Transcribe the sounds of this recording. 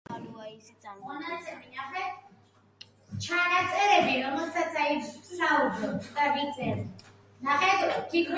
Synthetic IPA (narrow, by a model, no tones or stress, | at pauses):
ɔnasɛminaχɛ | t͡ʃʰanat̪sʼɛɾɛbiɾɔmɛlˠsat̪sʰaisaupɔpʰt̪avid̪zɛ | naχɛt̪ʼk̪iɡʰɾ